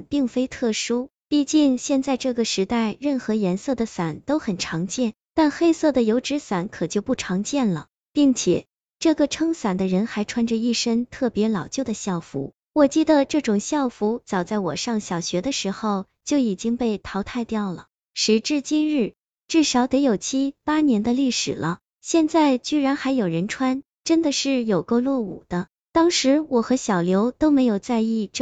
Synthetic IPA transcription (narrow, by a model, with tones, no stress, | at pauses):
pi˥˩ŋfe˥ɪt̪ʰɤ˥˩ʂu˥ | pi˥˧t͡ɕi˥˧ŋɕjɛ˥˧nt͡sa˥˧ɪʈ͡ʂɤ˥˩ɡə˩ʂɻ̩˧˥t̪a˥˧ɪɻə˥˩nxɤ˧˥jɛ˧˥nsɤ˥˩d̪ə˩sa˨˩˦nt̪o˥ʊxə˨˩nʈ͡ʂʰɑ˧˥ŋt͡ɕjɛ˥˩n | t̪a˥˧nxe˥ɪsɤ˥˩d̪ə˩jo˧˥ʊʈ͡ʂɻ̩˧˥sa˨˩˥nkʰɤ˨˩t͡ɕjo˥˧ʊpu˥˩ʈ͡ʂʰɑ˧˥ŋt͡ɕjɛ˥˩nlə̰˩ | pi˥˩ŋt͡ɕʰjɛ̰˨˩ | ʈ͡ʂɤ˥˩ɡə˩ʈ͡ʂʰɤ˥ŋsa˨˩nd̪ə˦ɻə˧˥nxa˧˥ɪʈ͡ʂʰwa˥nʈ͡ʂə˧i˥˩ʂə˥ŋt̪ʰɤ˥˩pjɛ˧˥lɑ˨˩ʊt͡ɕjo˥˩d̪ə˩ɕjɑ˥˩ʊfṵ˧˥ | wɔ˨˩t͡ɕi˥˩d̪ə˩ʈ͡ʂɤ˥˩ʈ͡ʂʊ˨˩ŋɕjɑ˥˩ʊfu˧˥t͡sɑ˨˩ʊt͡sa˥˩ɪwɔ̰˨˩ʂɑ˥˩ŋɕjɑ˨˩ʊɕɥɛ˧˥d̪ə˧ʂɻ̩˧˥xo˥˧ʊ | t͡ɕjo˥˩ʊi˨˩t͡ɕi˥ŋpe˥˩ɪt̪ʰɑ˧˥ʊt̪ʰa˥˧ɪt̪jɑ˥˩ʊlə˩ | ʂɻ̩˧˥ʈ͡ʂɻ̩˥˧t͡ɕi˥nɻɻ̩˥˩ | ʈ͡ʂɻ̩˥˩ʂɑ˨˧˥ʊt̪e˧˥ɪjo˨˩ʊt͡ɕʰi˥pa˥njɛ˧˥nd̪ə˧li˥˩ʂɻ̩˨˩lʔə˦ | ɕjɛ˥˧nt͡sa˥˧ɪt͡ɕy˥˧ɻa˧˥nxa˧˥ɪjo˨˩ɻə˧˥nʈ͡ʂʰwa˥n | ʈ͡ʂə˥nd̪ə˨ʂɻ̩˥˩jo˨˩ʊko˥˧ʊlwɔ˥˩ṵ˨˩d̪̥ə˦ | t̪ɑ˥ŋʂɻ̩˧˥wɔ˨˩xɤ˧˥ɕjɑ˨˩ʊljo˧˥ʊt̪o˥ʊme˧˥ɪjo˨˩ʊt͡sa˥˧ɪi˥˧ʈ͡ʂ